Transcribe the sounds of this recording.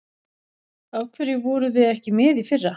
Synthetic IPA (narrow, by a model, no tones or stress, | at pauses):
awkʰvɪɾɪvɔːɾʏθeðɛhcɪmɪːðifɪrːa